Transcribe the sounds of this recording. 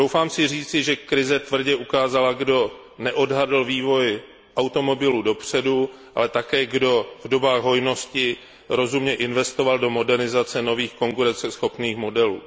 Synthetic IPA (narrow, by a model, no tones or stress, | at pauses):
dowfaːmsɪr̝iːt͡sɪʒɛkɾɪzɛt̪vr̩ɟɛʔukaːzalaɡdo̞ | nɛʔo̞dɦadl̩viːvo̞j | ʔawt̪o̞mo̞bɪludo̞pr̝̥ɛdu | ʔa̰lɛt̪akɛːɡdo̞vdo̞baːɣɦo̞jno̞scɪ | ɾo̞zumɲɛʔɪnvɛst̪o̞valdo̞mo̞dɛɾnɪzat͡sɛno̞viːxko̞ŋkuɾɛnt͡sɛsxo̞pniːxmo̞dɛlṵː